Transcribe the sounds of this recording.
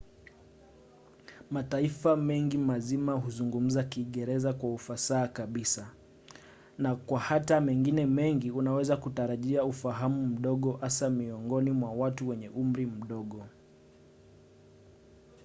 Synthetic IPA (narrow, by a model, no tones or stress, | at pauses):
mataifamɛŋɡimazimaɦuzuŋɡum̩zakiːɠɛɾɛzakwaufasaːkaɓisa | nakwahatamɛŋɡinɛmɛŋɡiunawɛzakutaɾaʄiaufaɦamum̩ɗɔɠɔhasamiɔŋɡɔnimwawatuwɛɲɛʔum̩ɾim̩ɗɔɠɔ